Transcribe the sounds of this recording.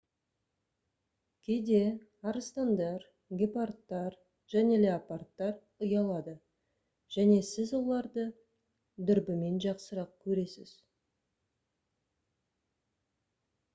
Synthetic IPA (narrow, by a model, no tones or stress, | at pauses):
kʲʰe̞jd̪e̞ | ɑɾəst̪ɑnd̪ɑɾ | ɡʲe̞part̪ːɑɾ | ʒ̥æne̞le̞apart̪ːɑɾ | əjɑlˠɑd̪ə | ʒ̥æne̞sɪzwo̞lˠɑɾd̪ə | d̪ʏɾbɪme̞nʒɑqsəɾɑq̚kʲʰɵɾe̞sɪ̰z̥